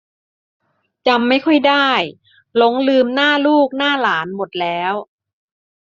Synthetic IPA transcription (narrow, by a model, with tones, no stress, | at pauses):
t͡ɕa˧mːa˥˩jkʰɔ˥˩jdaː˥˩j | lo˨˧˦ŋlɯː˧mnaː˥˩luː˥˩k̚naː˥˩laː˩˦nmo˨˩t̪̚lɛː˦˥w